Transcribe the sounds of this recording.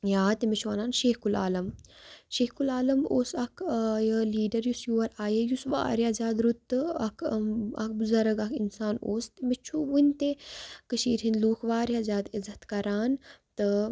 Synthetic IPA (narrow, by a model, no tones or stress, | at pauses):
jaːt̪imet͡ʃʰuʋaːnaːnʃeːhkula̰ːlɐmʃeːhkulaːlɐmoːsɐkʰjɐliːɖɐɾjusjuːɐɾaːjejusʋa̰ːɾjazaːd̪ɾut̪ːɨɐkʰɐ̰k̚buzɐɾɐɡɐkʰinsaːnoːst̪imet͡ʃʰuʋunʲt̪ekɨʃiːɾinluːkʰʋaːɾiazaːd̪izɐt̪kɐɾaːnt̪ɨ